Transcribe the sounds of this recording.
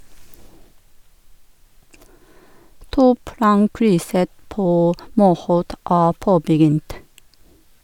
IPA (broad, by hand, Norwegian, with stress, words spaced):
ˈtuːˌplɑːŋˌkɾʏsə ˈpoː ˈmuːˌhoːt ˈæː ˈpoːbəˌɡʏnt